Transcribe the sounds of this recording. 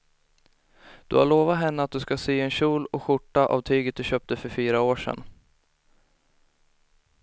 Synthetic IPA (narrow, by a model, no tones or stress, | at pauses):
d̪̥ɵ̰ha̰ɭoːvat̪ɦɛnːəat̪̚d̪ɵskasyːɛnɕuːlɔɧʊʈːaʔa̰vt̪ʰyːɡət̪̚d̪ɵɕœːp̚t̪əfœɾfyːɾaoːʂɛ̰n